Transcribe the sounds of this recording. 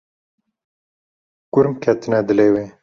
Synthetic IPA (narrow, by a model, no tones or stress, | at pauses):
kʊɾmkʰɛt̪ɨnɛd̪ɨleːwe